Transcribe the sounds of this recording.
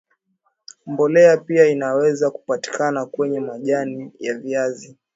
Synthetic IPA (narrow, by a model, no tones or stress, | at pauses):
mbɔlɛapiainawɛzaku̥pati̥kanakwɛɲɛmaʄanijaviazi